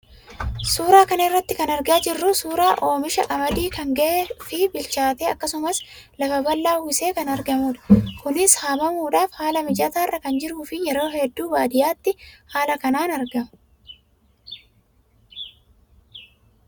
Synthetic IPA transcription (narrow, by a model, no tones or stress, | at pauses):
suːɾaːkɐnɐɪrːɐt̪ːɪkɐnɐɾɡaːd͡ʒɪrːʊsuːɾaːʔo̞ːmɪʃɐʔʼɐmɐd̪iːkɐŋɡɐʔeːfɪbɪlt͡ʃaːt̪eːɐkːɐsʊmɐs | lɐfɐbɐlːaːhʊse̞ːkɐnɐɾɡɐmuːᶑɐ̥kʊnɪshaːmɐmuːᶑaːfhaːlɐmɪd͡ʒʼɐt̪aːrːɐkɐnd͡ʒɪɾuːfɪjɛɾo̞ːhɛd̪ːuːbaːd̪ɪjaːt̪ːɪhaːlɐkɐnaːnɐɾɡɐ